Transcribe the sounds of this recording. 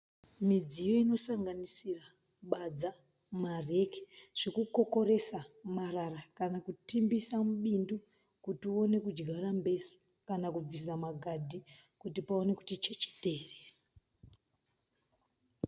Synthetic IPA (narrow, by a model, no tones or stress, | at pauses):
mid͡zijo̞ino̞saŋɡanisira | ɓad͡za | mare̞ke̥ʐ̥ekuko̞ko̞ɾe̞samararakanakutimbisamuɓindu | kutio̞ne̞kud͡ʒɡʱaɾambe̞si̥ | kanakub͡visamaɡʱadʱikutipao̞ne̞ku̥tit͡ʃet͡ʃe̥teːre